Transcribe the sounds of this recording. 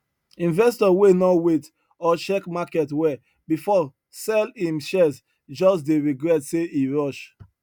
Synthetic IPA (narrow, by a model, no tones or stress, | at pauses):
ĩnvɛstɔwenɔwet | ɔt͡ʃɛkmakɛtwɛ | bifɔ | sɛlĩmʃɛs | d͡ʒɔs̬deɹiɡɹɛtseiɹɔʃ